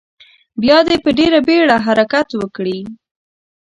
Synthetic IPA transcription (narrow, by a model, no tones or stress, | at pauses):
bjɑd̪epəɖeɾabeɽaɦaɾakat̪wəkɽi